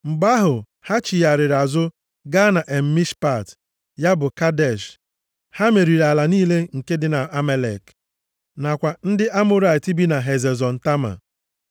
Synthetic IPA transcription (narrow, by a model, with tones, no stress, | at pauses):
m̩˨ɡ͡ba˦ɦʊ˨ | ha˦t͡ʃi˨ja˨ɾɪ˨ɾa˨zʊ˦ | ɡa˦na˨ʔe˨m̩˦mi˦ʃpa˦˨t | ja˦bʊ˨ka˦dɛ˨ʃ | ha˦me˨ɾi˨ɾa˨la˨niː˦le˦ŋ̩˨ke˦dɪ˦na˨a˦me˦le˨k | na˨kʷa˨n̩˦dɪ˦ʔa˦mʊ˦ɾa˨ɪ˨ti˦bi˦na˨ɦe˨ze˨zɔ˨n̩˨ta˦ma̰˨